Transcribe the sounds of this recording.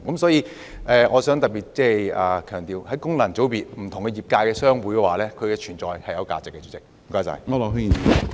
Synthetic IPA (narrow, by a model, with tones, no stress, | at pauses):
kɐ˨˦msɔː˨˥jiː˧ | ʔɛː˨˧ŋʔɔː˨˧sœː˨˥ŋt̪ɐ˨k̚piː˨˩t̚t͡sɛː˥ɐː˨˩kʰœː˨˩ŋt̪iː˨whɐ˨˥jkʊ˥ŋlɐ˨˩t͡so˨˥wpiː˨t̚m̩˨˩t̪ʰʊ˨˩ŋkɛ˧jiː˨˩p̚kaː˧jkɛː˧sœː˥ŋwuː˨˥jkɛː˧waː˨lɛː˥kʰɵ˨˧kɛ˧t͡ʃʰyː˨˩nt͡sɔː˨jhɐ˨jɐ˨˧wkaː˧t͡sɪ˨kːɛ˧t͡syː˨˥t͡sɪ˨k̚m̩˨˩kɔː˧˥jt͡sɐ̰˨˩jɔ˧lo˨˧ɦ